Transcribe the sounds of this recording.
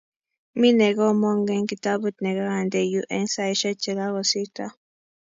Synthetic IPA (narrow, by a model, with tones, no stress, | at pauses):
mi˦ne˨ɡo˦mo˦ŋɡe˦ŋki˨t̪a˦bu˦t̪ne˨ɡa˦ɣa˨nd̪e˨juʔe˦nsa˦iʃə˦t͡ʃe˨la˦ɣo˨si˦t̪a